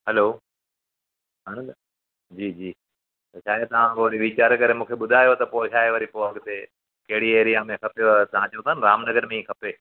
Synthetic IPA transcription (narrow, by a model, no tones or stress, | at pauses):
ɦɛloː | ɦãːñ | d͡ʑiːd͡ʑiː | t̪ɐʃʰaːjt̪ɐʋ̤ãkoʋɐɾiʋit͡ɕaːɾkɐɾemũːkʰeɓʊd̪ʱaːjot̪ɐpoːʃaːɦeʋɐɾipoːɐɡt̪e | kɐɦɪɽieːɾiãːmẽkʰɐpeot̪ɐʋ̤ãt͡ɕɐũt̪ʰaːnɪɾaːmnɐɡəɾmẽiːkʰɐpeː